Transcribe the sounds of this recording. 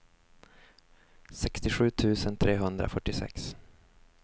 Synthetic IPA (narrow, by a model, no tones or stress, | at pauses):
sɛkst̪ɪɧʉ̟ːt̪ʰʉ̟ːsənt̪ʰɾeːɦɵnd̪ɾa̰fœʈːɪsɛ̰ks